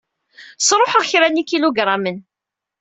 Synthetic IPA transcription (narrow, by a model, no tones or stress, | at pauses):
sˤɾˤoħəʁçɾænikːiluɡɾˤɑmən